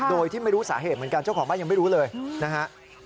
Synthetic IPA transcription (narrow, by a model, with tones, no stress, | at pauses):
doː˧jt̪ʰiː˥˩ma˥˩jɾu˦˥saː˩˦ɦeː˨˩t̪̚mɯ˩˦nka˧nt͡ɕa˥˩kʰɔː˩˦ɓaː˥˩ja˧ma˥˩jɾuː˦˥lɤː˧jna˦˥kʰa˦˥ʔ